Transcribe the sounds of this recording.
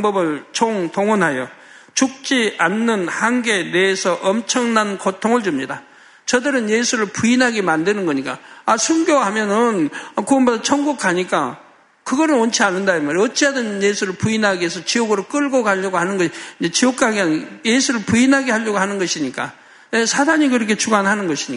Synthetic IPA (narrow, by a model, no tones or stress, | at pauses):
ŋbʌbɯɭt͡ɕʰoŋtoŋɯnɦajo | t͡ɕuk̚t͡ɕ͈ianːɯnhaŋnɡe̞ne̞ːsʰʌʔʌmt͡ɕʰʌŋnankotʰoŋɯɭd͡ʑumɲida | t͡ɕʌdɯɾɯnjesʰuɾɯɭpuinɦaɡemandɯnɯnɡʌɲik͈a̰asʰuŋɡjowɦamjʌnɯnkuʌnbodat͡ɕʰʌŋɡuk̚k͈ʰaɲik͈a̰ | kɯɡʌɾɯnwʌnt͡ɕʰianːɯndaimaɾʌt͡ɕ͈iadɯnnjesʰuɾɯɭpuinɦaɡeɦesʰʌt͡ɕioɡɯɾok͈ɯɭɡoɡaʎːʌɡohanɯnɡʌɕʰiiɲd͡ʑet͡ɕiok̚k͈ʰaɡeajesʰuɾɯɭpuinɦaɡehaʎjʌɡohanɯnɡʌɕʰiɲik͈a̰ | nesʰadaɲikɯɾʌkʰe̞t͡ɕʰuɡanhanɯnɡʌɕʰiɲika